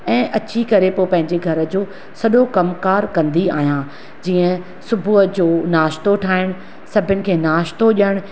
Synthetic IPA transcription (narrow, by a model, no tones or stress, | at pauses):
ɛ̃ːʔɐt͡ɕʰikɐɾepoːpɐ̃ɦɪ̃ɲd͡ʑeɡʱɐɾə̆d͡ʑoː | sɐɗokɐmkaːɾkɐ̃nd̪ia̰ːɦijã | d͡ʑiːə̃ | sʊbʱuɦəd͡ʑoːnaːʃt̪oʈʰaːɪɽ̃ | sɐbʱɪnɪ̆kʰeːnaːʃt̪oʄəɽ̃